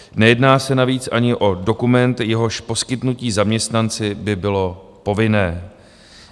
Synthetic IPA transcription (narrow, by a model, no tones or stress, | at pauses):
nɛjɛdnaːsɛnaviːt͡sʔaɲɪʔo̞do̞kumɛnt̪jɛɦo̞ʃpo̞skɪt̪nuciːzamɲɛst̪nant͡sɪbɪbɪlo̞ | po̞vɪnɛː